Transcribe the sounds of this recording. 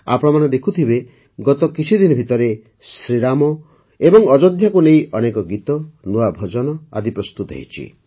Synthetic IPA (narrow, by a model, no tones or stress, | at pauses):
a̰pɔɽɔmañed̪ekʰut̪ʰibe | ɡɔt̪ɔkit͡ʃʰid̪inɔbʱit̪ɔɾe | sɾiɾamɔ | ebɔŋɔd͡ʒɔd̪ʱjakuneiʔɔnekɔɡit̪ɔnuabʱɔd͡ʒɔnɔa̰d̪ipɾɔst̪ut̪ɔɦḛɦit͡ʃʰḭ